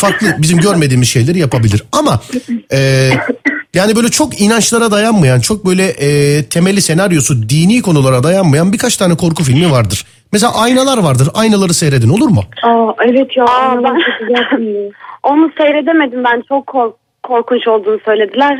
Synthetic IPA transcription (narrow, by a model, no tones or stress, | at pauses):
faklˠɯbizimɟøɾme̞d̪iːmizʃe̞jlʲeɾijapabilʲiɾamaɛː | jaːnibø̞jlʲɛt͡ʃʰo̞kinant͡ʃlˠaɾad̪ajanmajant͡ʃʰok̚bø̞jlʲɛʔɛːt̪ʰe̞mɛlʲːise̞naɾjo̞sud̪iːniːkʰo̞nulˠaɾad̪ajanmajanbiɾkʰat͡ʃt̪ʰaːnɛkʰo̞ɾkufilʲmivaɾd̪ɯɾ̥ | meselʲa̰ʔajnalˠaɾvaɾd̪ɯɾajnalˠaɾɯsejɾe̞d̪ino̞lˠuɾmʊɛvɛt̪joaan | o̞nusejɾe̞d̪eme̞d̪imbænt͡ʃʰokʰːoɾʰː | o̞ɾkʰunt͡ʃo̞lˠd̪uːnusø̞jlʲe̞d̪ilʲæɾ̥